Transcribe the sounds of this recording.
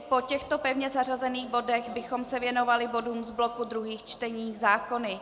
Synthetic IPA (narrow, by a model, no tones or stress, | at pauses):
po̞cɛxt̪opɛvɲɛzar̝azɛniːɣbo̞dɛɣbɪxo̞msɛvjɛno̞valɪbo̞duːmzblo̞kud̪ɾuɦiːxt͡ʃt̪ɛɲiːzaːko̞nɪ